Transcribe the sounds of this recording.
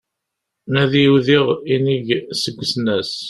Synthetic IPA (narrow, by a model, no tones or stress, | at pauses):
næðjiwðiʁiniʝsəɡʷːəsnæs